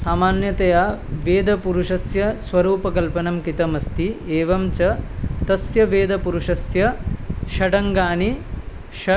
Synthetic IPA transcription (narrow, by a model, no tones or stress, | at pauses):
saːmaːnjɐt̪ɐjaːʋeːd̪ʱɐpuɾuʂɐsjɐsʋɐɾuːpɐkɐlpɐnɐmkit̪ɐmɐst̪ieːʋɐmt͡ʃɐt̪ɐsjɐʋeːd̪ɐpuɾuʂɐsjɐʃɐɖɐŋɡaːni | ʃɐ